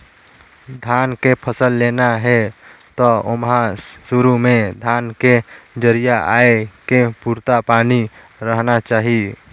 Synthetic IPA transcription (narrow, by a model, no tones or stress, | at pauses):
d̪ʱaːnkepʰəsəlːenaɦɛt̪ɔo̰mɦasuɾumẽd̪ʱaːnked͡ʒəɾijaa̰ːekepuɾt̪apaːni | ɾəɦnat͡ʃaːɦi